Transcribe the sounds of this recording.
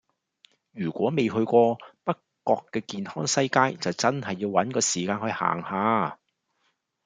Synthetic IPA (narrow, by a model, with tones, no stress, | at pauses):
jyː˨˩kʷwɔː˨˥me˨jɦɵ˧ɥkʷɔː˧pɐ˥kːɔː˧kːɛː˧kiː˨nhɔː˥ŋsɐ˥jkaː˥jt͡sɐ˨wt͡sɐ˥nhɐ˨jːiː˧wwɐ˨˥nkɔː˧siː˨˩kaː˧nhɵ˨˧ɥha̰ː˨˩ŋhaː˨˧